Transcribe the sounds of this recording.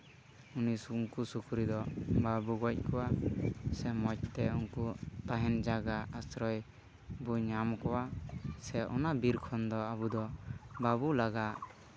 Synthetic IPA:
unisuŋkusukʰuɾid̪ɔbabuɡɔc̚ˀkɔwasɛmɔc̚t̪ɛunkut̪aɦɛnd͡ʒaɡaasɾɔj | buɲamkɔwasɛʔɔ̰nabiɾkʰɔnd̪ɔabud̪ɔbabulaɡaʔ

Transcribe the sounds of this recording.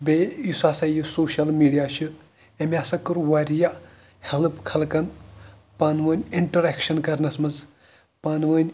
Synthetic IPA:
bejisaːsɐjisoːʃɐlmiːɖijaʃɨ | emʲasɐkɨɾʋɐɾʲija | helpkʰɐlkɐn | panʋɐnʲiɳʈɐɾekʃɐnkɐɾnɐsmɐnz | paːnʋɐnʲ

